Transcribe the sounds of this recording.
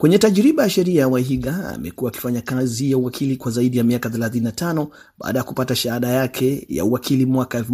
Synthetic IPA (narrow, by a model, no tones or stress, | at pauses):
kwɛɲɛtaʄɾiɓajaʃɛɾiajawaɦiɡaa̰mɛ̰kuwaːki̥faɲakazijauwakʰilikwazaiɗijamiakaθɛlaθininatʰanɔ | ɓa̰ːɗajakupataʃaaɗajakʰɛja̰uakʰilimwakaɛlf